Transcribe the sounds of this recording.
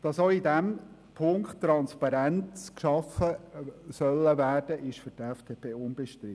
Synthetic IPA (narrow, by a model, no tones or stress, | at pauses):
d̥ɑsoidɛm | pʰʊŋkttːɾɑnspɑɾænt͡skʃɑfəsœlːəvæːɾd̥əʔɪʃfʏɾdɛfd̥eːpʰeːʊnbɛʃtɾɪ